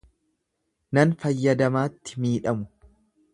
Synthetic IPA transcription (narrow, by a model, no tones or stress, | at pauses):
nɐnfɐjːɐd̪ɐmaːt̪ːɪ̥miːᶑɐmʊ̥